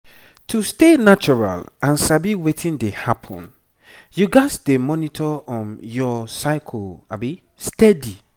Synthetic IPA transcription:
tʰustenat͡ʃɔɹa̰lãnsabiwetʰĩndehapʰɔ̰̃n | juɡaɪsdemɔnitʰɔɔ̃njɔsaɪkʰɔlabi | stɛdi

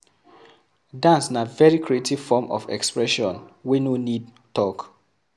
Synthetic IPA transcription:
dãnsnavɛɹikɹietiv̥fɔmʔɔ̰vɛ̰kspɹɛʃɔ̃nwinonid̚ | tɔk

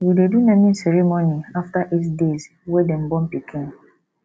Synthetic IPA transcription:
widedunãmĩn̩sɛɾemɔniaftaʔitdez | wɛdem̩bɔ̃m̩pikʰĩn

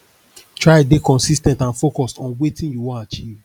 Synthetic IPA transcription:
tʰɹaɪdekɔ̃nsistɛ̃ntãnfokɔstɔ̃nwetĩnjuwɔ̃nat͡ʃiv

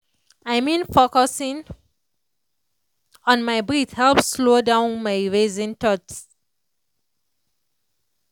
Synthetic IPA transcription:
aɪmĩnfokɔsĩŋ | ɔ̃nmaɪbɹithɛlpslodãʊ̃nmaɪɹezĩntɔt

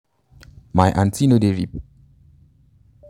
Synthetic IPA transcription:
majʔãntʰinodeɹip

